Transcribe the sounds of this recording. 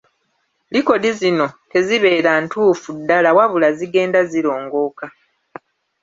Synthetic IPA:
liko̞dizino̞ke̞ziβe̞ːɾantuːfudːalawaβulaziɡe̞ːndaziɾo̞ːŋɡo̞ːka

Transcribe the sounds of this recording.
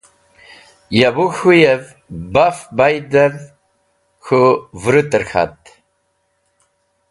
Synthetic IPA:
jabuxujev | bafbajd̪ɐv | xuvɾut̪əɾxa̰t̪

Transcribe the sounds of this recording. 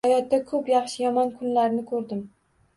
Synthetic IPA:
ajɒt̪̚d̪akʰɵpjɑχʃɪjɒmɒnkʰʊnlaɾnɪkʰɵɾd̪ɪm

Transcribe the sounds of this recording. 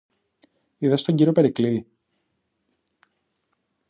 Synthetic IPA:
iðɐst̪o̞ɲɟiɾo̞pe̞ɾiklii

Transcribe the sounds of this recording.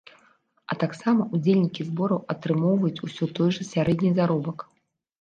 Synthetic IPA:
ɐ̰t̪aksamɐʔud͡zʲelʲnʲikʲizbɔɾɐwɐt̪ɾɨmɔwvɐjut͡sʲusʲɔt̪ɔjʐɐsʲaɾɛdʲnʲijzaɾɔbɐk

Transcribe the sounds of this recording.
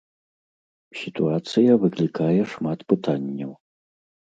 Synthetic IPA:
sit̪ʰuat͡sʰɨjɐvɨklikʰajɛʂmatʰpɨtʰanʲːɛw

